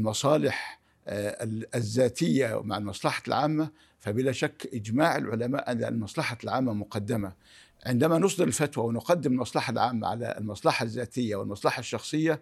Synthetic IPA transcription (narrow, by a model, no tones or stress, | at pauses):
lmɑsˤɑːlɪħ | zːaːt̪ɪjːamaʕalmɑsˤlɑħɑ̥lʕaːmːa | fabɪlaːʃakːʔɪd͡ʒmaːʕɪ̰lʕʊlama̰ːʔanːa̰lmɑsˤlɑħɑlʕaːmːamʊqɑd̪ːɪma | ʕɪnd̪amanʊs̬ˤd̪ɨɾɪlfat̪wawɪnʊqɑd̪ːɪmɪlmɑsˤlɑħalʕaːmːa̰ʕa̰la̰lmɑsˤlɑħɑzːaːt̪ɪjːawɪ̰lmɑsˤlɑħɑʃːɑxsˤɨjːa